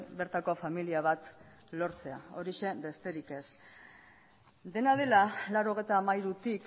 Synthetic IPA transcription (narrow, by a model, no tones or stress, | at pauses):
be̞ɾt̪ako̞familiaβ̞at̪ | lo̞ɾt͡se̞a̰o̞ɾiʃe̞be̞st̪e̞ɾike̞s | d̪e̞naðe̞lalaɾo̞ɣ̞e̞jt̪aːmajɾut̪ik